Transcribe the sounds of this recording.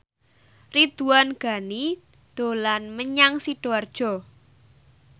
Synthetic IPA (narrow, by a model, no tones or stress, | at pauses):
rid̪̥uwanɡ̥a̤ni | d̪̥o̤lanməɲaŋsiɖ̥oard̥ʒ̥ɔ̤